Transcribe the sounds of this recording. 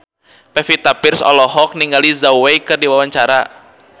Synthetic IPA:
pɛfit̪apɪrsɔ̰lɔɦɔk̚niŋɡalizawwejkɨrdiwawaɲt͡ʃaɾa

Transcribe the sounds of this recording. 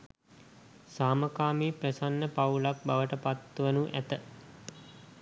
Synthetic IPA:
saːməkaːmiːprəsanːəpaulak̚baʋəʈəpat̪ːʋənuʔæt̪ə

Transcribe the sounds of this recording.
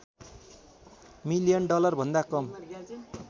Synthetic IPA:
milijʌnɖʌlʌrbʱʌnd̪akʌm

